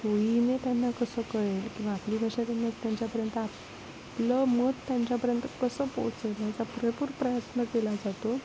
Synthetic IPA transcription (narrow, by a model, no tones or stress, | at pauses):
t̪ojinet̪janːakəsəːkəɭelkĩw̃ʋaːpliːbʱaʂat̪janːat͡st̪jaɲt͡ɕjapəɾjənt̪əa | pləməɡ̪t̪jãɲt͡ɕjapəɾjənt̪əkəsəpot͡set̪mat͡sapuɾəpuːɾpɾəjət̪nəkelad͡zat̪o